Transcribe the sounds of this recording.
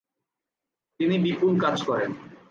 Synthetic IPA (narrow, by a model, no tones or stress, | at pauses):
t̪inibipulkad͡ʑkɔɾen